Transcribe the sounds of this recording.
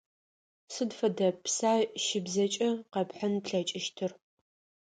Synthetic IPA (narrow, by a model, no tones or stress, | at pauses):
sɨdfɐdɐpsaːʃɪbzɐt͡ʃʼɐqɐpħənpɬɐt͡ʃʼɪʃtʰɨr